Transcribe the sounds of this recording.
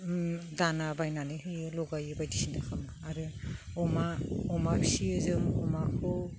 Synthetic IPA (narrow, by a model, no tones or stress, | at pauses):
danabajnaniɦɯjɯlɔɡajɯbajdisindakʰamaaɾɯɔmaɔmapʰisiɯzɯmɔmakʰɯ